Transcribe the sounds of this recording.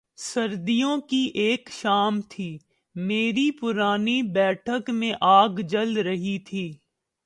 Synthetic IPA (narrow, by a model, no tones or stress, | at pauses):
sɐɾd̪ijõkiʔeːkʃaːmt̪ʰiː | meːɾipʊɾaːnibɛːʈʰəkmẽʔaːɡd͡ʒɐlɾɐɦit̪ʰiː